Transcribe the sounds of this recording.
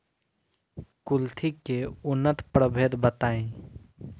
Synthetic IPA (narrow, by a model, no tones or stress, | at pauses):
kʊlt̪ʰikeʊnːət̪pɾəbʱeːd̪bət̪aːẽ